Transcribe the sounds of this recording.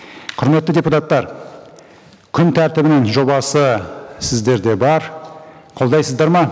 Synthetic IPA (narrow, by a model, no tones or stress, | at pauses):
qʰʊɾme̞t̪ːɪdʲe̞put̪ɑt̪ːɑɾ | kʲʰʏnt̪ʰæɾt̪ɪbɪnɪŋʒo̞bɑsəsɪzd̪e̞ɾd̪e̞bɑɾ | qʰo̞lˠd̪ɑjsəzd̪ɑɾmɑ